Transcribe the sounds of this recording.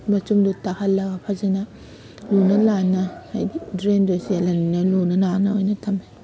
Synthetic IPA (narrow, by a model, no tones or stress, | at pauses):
mɐtumdutahɐlːɐɡɐpʰazenɐ | lunɐlanɐhajidɾendosialɐninɐlunɐnanɐojnɐtʰɐme